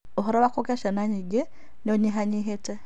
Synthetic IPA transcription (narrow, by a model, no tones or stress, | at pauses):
oɦoɾaβakokeʃenaɲiɡe | noɲiɦaɲiɦete